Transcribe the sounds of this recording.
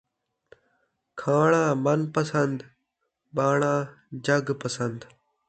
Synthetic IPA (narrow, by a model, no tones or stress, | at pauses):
kʰaːɳãːmɐnpəsənd̪ | baːɳãː | d͡ʒəɡpəsənd̪